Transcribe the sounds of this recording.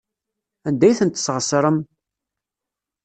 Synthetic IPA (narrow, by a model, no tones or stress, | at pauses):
ænd̪æjθənt̪ːə̥sʁəsɾˤəm